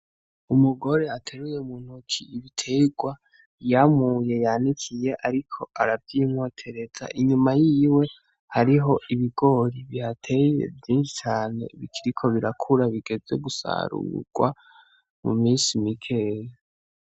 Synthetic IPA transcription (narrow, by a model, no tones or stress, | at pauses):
umuɡo̞ɾe̞atʰeɾujeumuːn̥hukʰiiβitʰe̞ɡwa | jamuje̞janikʰije̞ʔaɾikʰo̞ʔaɾavjimŋo̞tʰe̞ɾe̞z̥a̰ʔiɲumajiwe̞ | haɾiɦo̞ʔiβiɡo̞ɾiβjatʰe̞je̞̰vjiːnʃi̥t͡ʃaːne̞̰βikʰiɾikʰo̞βiɾakʰuɾaβiɡe̞ze̞ɡusa̰ɾṵɡ̥wa̰ | mṵmiːnsimikʰe̞je